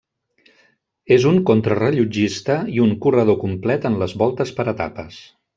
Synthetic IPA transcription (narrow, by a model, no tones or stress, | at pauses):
ezuŋkont̪ɾərəʎud͡ʒist̪əiuŋkurəð̞okumplɛt̪ənləzβɔlˠt̪əspəɾət̪a̰pəs